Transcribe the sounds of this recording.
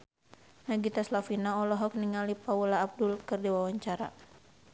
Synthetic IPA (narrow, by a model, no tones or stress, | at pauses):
naɡit̪aslafinaɔlɔɦɔk̚niŋalipaulaːb̚dulkɨrdiwawaɲt͡ʃaɾa̰